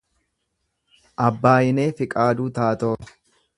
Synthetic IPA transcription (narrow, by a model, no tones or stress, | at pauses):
ʔɐbːaːjɪneːfɪkʼaːd̪uːt̪aːt̪oː